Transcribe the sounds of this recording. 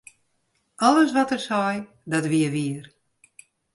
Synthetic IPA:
ɔlˠəsʋɔtərsɔj | dɔtʋiəʋiər

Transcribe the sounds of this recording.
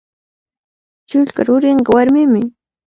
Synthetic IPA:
t͡ʃʊʎkaɾʊɾɪɴɢɑwaɾmɪmɪ

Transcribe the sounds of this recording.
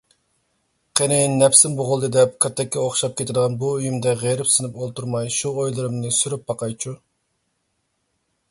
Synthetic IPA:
qʰenejinːɛpsɪnboʁʊlˠd̪ɨd̪ɛp̚kʰʲøt̪ʰːɛkʲːɛoχʃɑp̚kʲʰet̪ʰɪɾd̪əʁɑnbuyjymd̪ɛʁeɾɪpsɨnɪpolˠt̪uɾmɑjʃuojlˠɨɾɨmnɨsyɾyp̚bɑqʰɑjt͡ʃʰu

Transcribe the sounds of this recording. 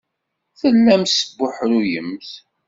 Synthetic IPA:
θəlːæmsəbːʊħɾujəmθ

